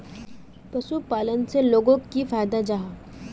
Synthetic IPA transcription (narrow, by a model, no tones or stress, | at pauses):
pɐʃupaːlənseloːɡõkifaːjd̪ad͡ʒaɦaː